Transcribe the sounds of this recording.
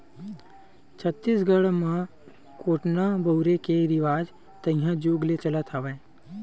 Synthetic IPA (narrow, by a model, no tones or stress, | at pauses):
t͡ʃʰət̪ːisɡəɽmã | koːʈnabəuɾekeɾiʋaːd͡ʒ | t̪ə̃ĩjãd͡ʒuːɡlet͡ʃələt̪ʰaʋẽ